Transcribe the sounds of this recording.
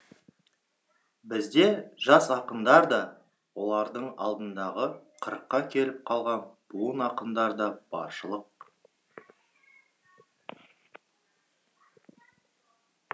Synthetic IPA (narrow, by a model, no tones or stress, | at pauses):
bɪzd̪e̞ʒɑsɑqənd̪ɑɾd̪ɑ | wo̞lˠɑɾd̪əɴɑ̰lˠd̪ənd̪ɑʁəqʰəɾəqːɑkʲʰe̞lɪp̚qʰɑlˠʁɑnb̥uənɑqənd̪ɑɾd̪ɑb̥ɑ̰ɾʃəlˠəq̚